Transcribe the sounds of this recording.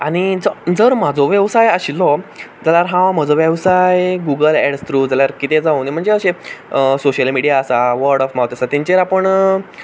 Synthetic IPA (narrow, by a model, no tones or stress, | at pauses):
aɽ̃id͡zd͡zəɾm̤ad͡zɔʋjəʋsajəɕilɔd͡zaljaɾɦãʋm̤ad͡zɔʋjəʋsajɡuɡəlɛɽst̪ɾud͡zaljaɾkit̪ed͡zaũːnim̤əɳd͡zeəɕesoɕəlmiɽijaːsaʋəɾɽɔfmawt̪əsat̪iɲt͡ɕeɾapəɳ